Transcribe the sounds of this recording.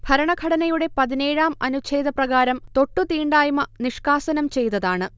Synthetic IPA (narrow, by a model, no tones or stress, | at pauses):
b̥ʱɐɾɐɳɐɡʱɐɽɐnɐjuɽe̞pɐðine̞ːɻaːmɐnut͡ɕʰeːd̪ʱɐprɐɣaːɾɐmt̪o̞ʈːut̪iːɳɖaːjumɐniʂkaːsɐnɐmt͡ɕe̞jt̪ɐðaːɳɨ